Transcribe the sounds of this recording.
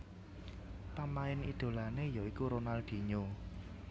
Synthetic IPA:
pamaɪnḭd̪̥o̤lanejoikuɾonald̪̥i̤ɲo

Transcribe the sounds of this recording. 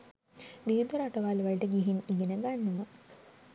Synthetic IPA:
biud̪əɾaʈɐʋaːluʋaliʈəɡiɦiniɡenəɡanːumə

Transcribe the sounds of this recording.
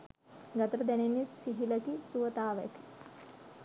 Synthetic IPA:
ɡɐt̪ɐɾəd̪ɛnenːjisiɦiləkisuʋət̪aːʋɛ̰ki̥

